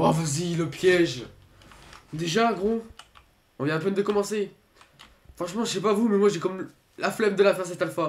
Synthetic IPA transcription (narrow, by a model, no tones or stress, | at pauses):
avaziləpjɛʒ | d̪eʒaɛ̃ɡʁɔ̃ | ɔ̃vjɛ̃ãp̬ɛ̃nd̪əkɔmɑ̃se | fχɑ̃ʃmɑ̃ʒsɛpavumɛmwaʒɛkɔm | laflɛmd̪əlafɛʁs̬ɛt̪alfa